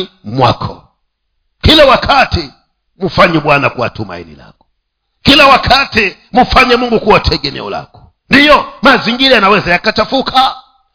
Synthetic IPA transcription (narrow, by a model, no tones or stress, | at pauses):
mwa̰kʰɔ̰ | kilɛwakʰati | mufaɲɛɓwanakuwa̰tuma̰ḭnḭla̰kɔ̥ | kilawakʰatimufaɲɛmuŋɡukuwatʰɛɠɛnɛ̰ɔ̰la̰kɔ̥ | ndijɔmaziŋɡiɾajanawɛzajakat͡ʃafukʰa